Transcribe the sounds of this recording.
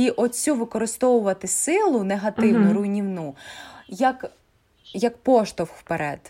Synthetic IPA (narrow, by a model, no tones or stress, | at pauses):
iʔɔt͡sʲuʋɪkɔɾɪst̪ɔwʊʋɐt̪ɪsɪlˠʊneɦɐt̪ɪwnʊɾʊjnʲiwnujɐk | jɐk̚pɔʃt̪ɔwxwpeɾʔɛ̰d̪̥